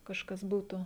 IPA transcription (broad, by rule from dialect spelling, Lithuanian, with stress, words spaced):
kɐʃˈkɐs ˈbuːtʊ